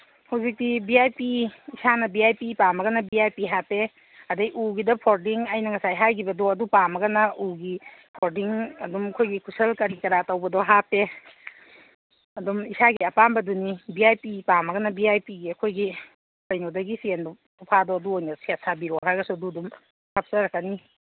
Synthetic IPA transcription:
hawzik̚dibiajpiisanɐbiajpipamɐɡɐnɐbiajpiɦape | ɐdɐjʔuɡidɐpʰoɾdiŋajnɐŋɐsajɦajɡibɐdɔɐdupamɐɡɐnɐuɡipʰoɾdiŋɐdumɐkʰojɡikʰusɐlkɐɾikɐɾatɐwbɐdɔɦape | ɐdɔmisaɡiɐpanbɐdunibiajpipamɐɡɐnɐbiajpiɡiɐkʰojɡi | lɐjnɔdɐɡisiendɔ | upʰadɔɐduojnɐsiatsabiɾɔɦajɡɐsuɐduɐdum | sʰap̚sɐɾɐkːani

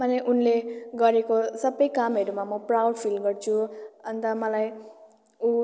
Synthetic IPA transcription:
mʌneʔunleɡʌɾekosʌbʌjkamɦʌɾumamʌprawɖpʰilɡʌrt͡sʰuʌnt̪ʌmʌlaj | u

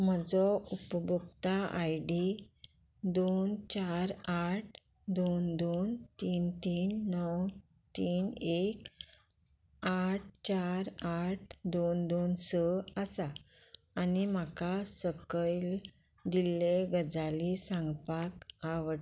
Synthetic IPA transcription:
m̤əd͡zɔupəbʱukt̪aʔajɖi | d̪ont͡ɕaɾaʈ̚ʰ | d̪ond̪ont̪iːnt̪iːnːɔw | t̪iːnek | aʈ̚t͡ɕaɾaʈ̚ʰd̪ond̪onsəəsaː | nimakasəkəjl | d̪ileɡəd͡zalisãŋɡpakaʋə

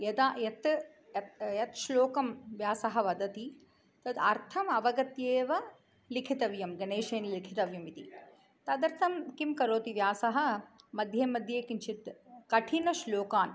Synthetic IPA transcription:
jɐd̪ajɐt̪ | ɐt̪jɐt̪ʃloːkɐmʋjaːsɐɦɐʋɐd̪ɐt̪i | t̪ɐd̪ɐɾt̪ʰɐmɐʋɐɡɐt̪jeːʋɐ | likʰit̪ɐʋjɐmɡɐneːʃeːnlikʰit̪ɐʋjɐmit̪ḭ | t̪ɐd̪ɐɾt̪ʰɐmkimkɐɾoːt̪iʋjaːsɐɦɐ̆mɐd̪ʱjeːmɐd̪ʱjeːkint͡ʃʰit̪kɐʈʰinɐʃloːkaːn

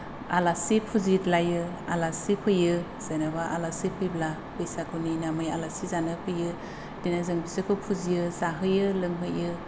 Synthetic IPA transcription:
alasipʰuzitlajɯ | a̰lasipʰɯjɯ | z̥ajnabaʔa̰lasipʰɯjbla | pɯjsakʰɯwninamɯja̰lasizanɯpʰɯjɯ | d̥inazɯŋbizɯkʰɯpʰuzijɯzaɦɯjɯlɯŋɦɯjɯ

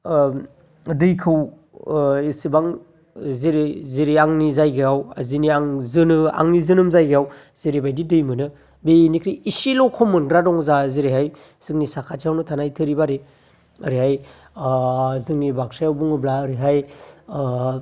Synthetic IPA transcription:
dɯjkʰɯw | isibaŋ | zeɾziɾiaŋnizajɡeawziniaŋzɯnɯa̰ŋnizɯnɯmzajɡejaw | ziɾibajdidɯjmɯnɯ | benikʰɾiisilɔkʰɔmɯnɡɾadɔŋzaziɾeɦaj | z̥ɯŋnisakʰatiawnɯtʰanajtʰɯɾibaɾe | ɯɾiɦaj | zɯŋnibak̚sajawbuŋɯblaɯɾiɦaj

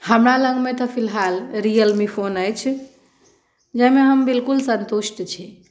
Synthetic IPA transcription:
həmɾalə̃ŋɡmet̪ɔpʰilɦalɾijəlmipʰonəjt͡ʃʰ | d͡ʒəmeɦəmbilkulsə̃nt̪usʈt͡ʃʰi

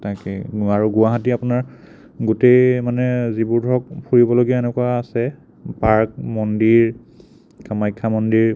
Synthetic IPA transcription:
takɛ̰aɹuɡuaɦatiapunaɹ | ɡutejmanɛzibuɹdʱɔkpʰuɹibɔloɡiaenɛkuaːsɛ | paɹk̚mɔndiɹ | kamajkʰːamɔndiɹ

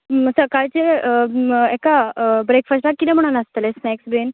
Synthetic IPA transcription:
səkaɭt͡se | ɛkabɾekfəsʈakːit̪ɛ̃m̤əɽ̃unəst̪lesnɛksben

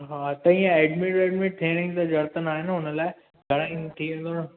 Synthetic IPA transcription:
ɦaːt̪ɐĩːẽɛːɖmɪʈɛːʈmɪʈ̚ʈ̪ʰeːɽ̃ɪ̃t̪ɐd͡ʑɐɾt̪ənaːɦɪnɦʊnəlaːɪ | ɡʱɐɽ̃ɪ̃nt̪ʰiːʋẽnd̪oːn

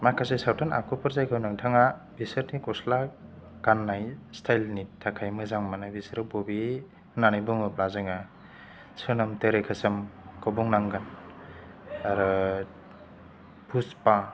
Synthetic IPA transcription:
makʰasesawtʰana̰kʰupɯɾzajkʰawnaŋtʰaŋa | bisɯɾnikɔsla | ɡ̥anːajstʰajlnitʰakʰajmɯzaŋmanabisɾɯbobi | nanɯjbuŋɯplazɯŋa | sʰɯnɯmteɾekʰɯsɯmkɔbuŋnaŋɡan | aɾɯ | buspa

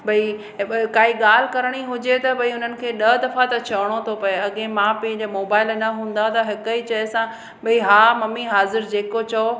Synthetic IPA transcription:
bʱɐi | kaːɦiɠaːl̤ɪkɐɾəɽ̃iɦʊd͡ʑet̪ɐbʱɐiʊn̤ənɪ̆kʰeːɗɐd̪ɐfat̪ɐt͡ɕʰɐʋɽ̃ot̪ʰopɐeɐɠẽmãpɐ̃ɦɪ̃ɲd͡ʑomoːbaːɪlnɐɦũːn̆d̪at̪ɐɦɪkəit͡ɕɐɦsã | bɐiɦaːmɐmiɦaːzɪɾd͡ʑeːkot͡ɕɐo

